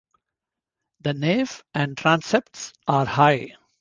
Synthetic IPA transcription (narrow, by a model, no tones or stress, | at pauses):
d̪əneːʋæ̃ɳɖʈɾãnsep̚ʈsaːɾhaɪ